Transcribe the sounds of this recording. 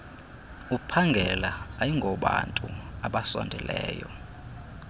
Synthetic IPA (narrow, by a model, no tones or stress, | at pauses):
upʰaŋɡʱɛlaːjiŋɡʱɔɓantʼuaɓasɔ̰ndʱɛlʔɛːjɔ